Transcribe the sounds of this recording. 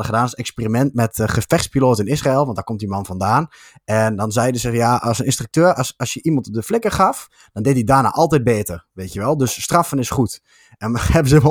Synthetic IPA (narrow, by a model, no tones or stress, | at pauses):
dəχədaːnsɛkspeːrimɛntmɛtχəfɛxspiloːtɪnɪsraɪlˠʋɑntdaːkomt̚dimɑnfɔndaːn | ɛndɔnzɛjdəzɪxjaɔsənɪnstrək̚tøːrsɔsjəʔimɔnt̚dəflɪkəχɑf | d̥ɔndeːtdidaːna̰ːʔɔlˠtɛjt̚beːtərʋeːtjəʋɛlˠdøsːtrɑfənɪsχut | ɛnhɛbəzəʋ